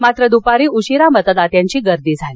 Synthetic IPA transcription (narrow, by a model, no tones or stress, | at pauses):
mat̪ɾəd̪upaɾiːuɕiɾamət̪əd̪at̪jãɲt͡ɕiːɡəɾd̪iːd͡zʱal